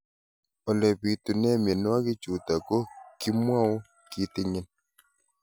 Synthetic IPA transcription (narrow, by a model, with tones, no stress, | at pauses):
ɔ˨lɛ˨pi˨tu˨nɛ˦mje˨n˦a˦kɪ˦t͡ʃu˨ta˨ko˦ki˦mwa˦o˦ | ki˦tɪ˦ɲɪ˦n